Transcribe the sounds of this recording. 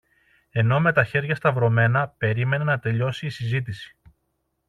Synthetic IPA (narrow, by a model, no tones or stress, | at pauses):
e̞no̞me̞t̪ɐçe̞ɾʝɐst̪ɐvɾo̞me̞nɐpe̞ɾime̞nenɐt̪e̞ʎo̞siːsizit̪̬isi̥